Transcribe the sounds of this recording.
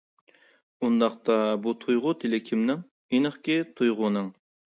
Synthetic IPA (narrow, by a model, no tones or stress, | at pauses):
und̪ɑqt̪ɑbut̪ʰujʁʊt̪ʰelɪkʲʰimnɪŋ | inɨχkʲit̪ʰujʁʊnɨŋ